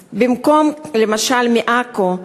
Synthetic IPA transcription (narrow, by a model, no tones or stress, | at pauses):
bimko̞mlemaʃalmiʔako